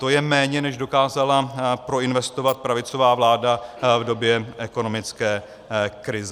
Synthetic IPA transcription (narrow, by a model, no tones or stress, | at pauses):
t̪o̞jɛmɛːɲɛnɛʒdo̞kaːzalapɾo̞ɪnvɛst̪o̞vat̪̚pɾavɪt͡so̞vaːvlaːdavdo̞bjɛʔɛko̞no̞mɪt͡skɛː | kɾɪzɛ